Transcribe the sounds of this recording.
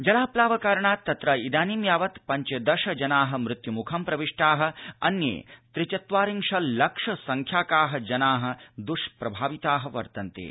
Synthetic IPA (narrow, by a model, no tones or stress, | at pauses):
d͡ʒɐlaːplaːʋɐkaːɾɐɳaːt̪ːɐt̪ɾɐid̪aːnimjaːʋɐt̪pɐɲt͡ʃɐd̪ɐʃɐd͡ʒɐnaːɦɐ̆mɾɪt̪jumukʰɐmpɾɐʋiʂʈaːɦɐ̆ɐ̰njḛːt̪ɾit͡ʃɐt̪ʋaːɾiŋʂɐllɐkʂɐsɐŋkʰjaːkaːɦɐd͡ʒɐnaːɦɐ̆d̪uʃpɾɐbʱaːʋit̪aːɦɐ̆ʋɐ̰ɾt̪ɐnt̪ḛː